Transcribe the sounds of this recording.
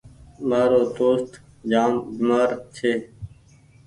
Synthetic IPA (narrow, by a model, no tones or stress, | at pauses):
maːɾoːt̪oːst̪ | d͡ʒaːmbimaːɾt͡ʃʰeː